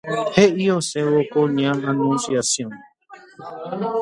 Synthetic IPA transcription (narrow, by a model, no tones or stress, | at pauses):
heʔiosẽwokõɲããnũnsjasjõn